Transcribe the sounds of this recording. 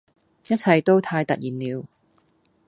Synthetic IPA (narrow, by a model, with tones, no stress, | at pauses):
jɐ˥t̚t͡sʰɐ˨jt̪o˥wt̪ʰaː˧jt̪ɐ̰˨t̚jiː˨˩nliː˨˧w